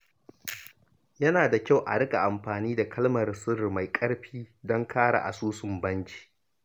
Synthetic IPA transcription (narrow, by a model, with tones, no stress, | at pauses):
jɐ˦naː˨da˨kʲa˦˨wʔa̰˨ɽɪ˦kʼa̰˨ʔa˨mɸaː˨niː˦da˨kʰɐ˦lmɐ˨rsʊ˦ɾma˨jkʼɐ˦ɽɸiː˦dɔ˦ŋkʰaː˦ɽa̰˨ʔa̰˨suː˦sʊ˨mbɐ˦nt͡ʃi̥ː˨ʔ